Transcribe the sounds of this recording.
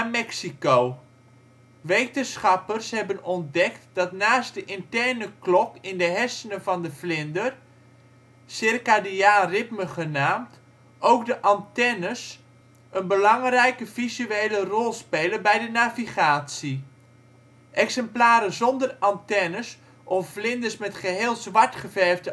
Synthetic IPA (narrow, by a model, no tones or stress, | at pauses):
amɛksikow | ʋejtənsχɑpərshɛbənɔndɛktd̥ɑtnaːstdəʔɪntɛrnəklɔkɪndəɦɛsənəvɑndəflɪndər | sɪrkadiaːrɪtməχənaːmt | ʔowkdəʔɑntɛnəs | ʔənbəlɑŋrɛjkəfizyeːlərɔlˠspeːlənbɛjdənaviχaːtsi | ʔɛksɛmplaːɾəzɔndərɑntɛnəs | ʔɔfflɪndəsmɛtχəɦeːlˠzʋɑɹtχəvɛrvdə